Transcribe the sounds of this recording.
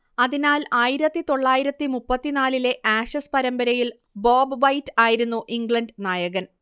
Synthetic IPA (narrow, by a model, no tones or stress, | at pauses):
ɐðinaːlaːjiɾɐt̪ːit̪o̞ɭːaːjiɾɐt̪ːimupːɐt̪ːinaːlile̞ʔaːʂɐspɐɾɐmbɐɾɐjil | boːbʋɐjtːaːjiɾunːuʔiŋɡɭɐnɖnaːjɐɣɐn